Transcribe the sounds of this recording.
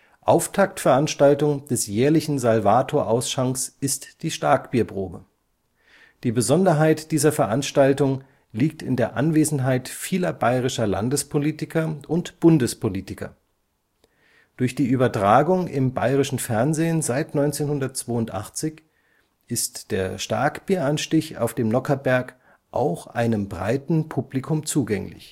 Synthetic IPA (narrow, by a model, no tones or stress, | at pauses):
ʔaʊftʰak̚tfɛɐʔanʃtaltʊŋd̥ɛsjɛːɐlɪçn̩zalvaːtʰoːɐʔaʊsʃaŋsʔɪstd̥iːʃtaːkb̥iːɐpʁ̥oːbə | d̥iːbəzɔndɐɦaɪtd̥iːzɐfɛɐʔanʃtaltʊŋ | liːk̚tɪndeːɐʔa̰nveːzn̩ɦaɪtfiːlɐbaɪʁɪʃɐla̰ndəspʰoliːtɪkʰɐʔʊntb̥ʊndəspʰoliːtɪkɐ̰ | d̥ʊɐçd̥iːʔyːbɐtʁ̥aːɡʊŋɪ̰mba̰ɪʁɪʃn̩fɛɐnzeːnzaɪtnɔʏnt͡seːnhʊndɐtt͡sv̥oːʊntʔa̰χt͡sɪç | ʔɪstd̥eːɐʃta̰ɐkb̥iːɐanʃtɪça̰ʊfd̥eːmnɔkʰɐbɛɐk | ʔa̰ʊxʔa̰ɪnəmbʁa̰ɪtn̩pʰublikʰʊmt͡suːɡɛŋlɪ̰ç